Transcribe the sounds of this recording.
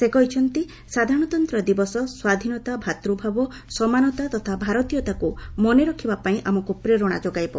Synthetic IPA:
sekɔɦit͡ʃʰɔnt̪i | sad̪ʱaɾɔ̃ɔt̪ɔnt̪ɾɔd̪ibɔsɔswad̪ʱinɔt̪abʱat̪ɾubʱabɔ | sɔmanɔt̪at̪ɔt̪ʰabʱaɾɔt̪ijɔt̪akumɔneɾɔkʰibapaĩʔamɔkupɾeɾɔɽ̃a̰d͡ʒoɡajbɔ

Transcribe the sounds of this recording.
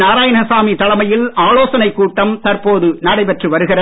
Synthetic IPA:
aːɾaːjɐnɐsaːmit̪ɐlɐmɐjɪlaːloːsɐnɐɪkːuːʈːɐmt̪ɐrpoːðɯnɐɽɐɪpɛʈrɯʋɐɾɯɣɪrɐ

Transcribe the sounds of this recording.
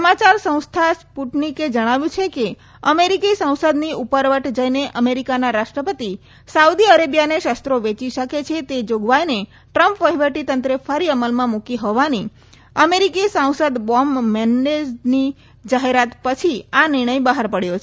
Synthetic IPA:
səmat͡ʃaɾsə̃w̃st̪ʰaspuʈniked͡ʒəɽ̃aʋjũt͡ʃʰeke | əmeɾikisə̃w̃səd̪niupəɾʋəʈd͡ʒəineʔəmeɾikanaɾaʃʈɾəpət̪i | saud̪iəɾebijaneʃast̪ɾoʋet͡ʃiʃəket͡ʃʰet̪ed͡ʒoɡʋajne | ʈɾəmpʋəɦiʋəʈit̪ənt̪ɾefʰəɾiəməlmãmukiɦɔʋani | əmeɾikisə̃w̃səd̪bɔmːɛnɖed͡ʒni | d͡ʒaɦeɾat̪pət͡ʃʰianɪɽ̃əjbəɦəɾpəɽjot͡ʃʰ

